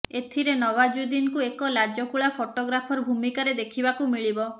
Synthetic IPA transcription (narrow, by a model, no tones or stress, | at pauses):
et̪ʰiɾenɔwad͡ʒud̪inkuekɔlad͡ʒɔkuɭapʰoʈoɡɾapʰɔɾɔbʱumikaɾed̪ekʰibakumiɭibɔ